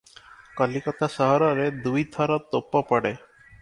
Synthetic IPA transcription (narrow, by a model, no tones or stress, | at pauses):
kɔlikɔt̪asɔɦɔɾɔɾed̪ujt̪ʰɔɾɔt̪opːɔpɔɽe